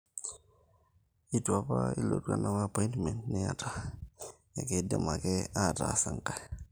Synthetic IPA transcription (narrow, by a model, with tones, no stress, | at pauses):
i˦twa˦pa˦ḭ˦lo̰˨tka˨na˦wa˦˨pɔ˦i˦ntmɛ˨ntnɛ˦a˨ta˨ | ja˨ke˦dɔ˨ma˨kɛ˦a˦˨ta̰˨sa˨ŋka˨